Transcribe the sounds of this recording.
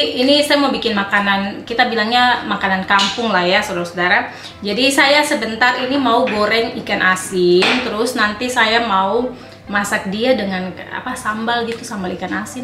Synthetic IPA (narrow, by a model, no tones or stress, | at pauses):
inisajamaubikɪnmakanankit̪abilaŋɲamakanankampʊŋlahjasodaɾasudaɾa | d͡ʒadisajasəbənt̪arinimauɡoɾɛŋikanʔasɪnt̪əɾʊsnant̪isajamau | masak̚diadəŋana̰pasambalɡit̪usambalikanasɪn